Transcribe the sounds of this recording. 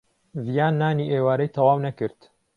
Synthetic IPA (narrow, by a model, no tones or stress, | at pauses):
zijaːnːaːniːʔeːwaːɾɐjt̪ʰɐwaːwnɐkɨɾt̪